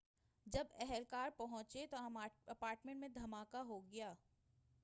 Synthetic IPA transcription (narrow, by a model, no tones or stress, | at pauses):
d͡ʒɐbɛɦɛlkaːɾpɐɦʊ̃t͡ʃet̪oɦɐmaɐpaːɾʈmẽɳʈmẽd̪ʱɐmaːkaɦoɡɐjaː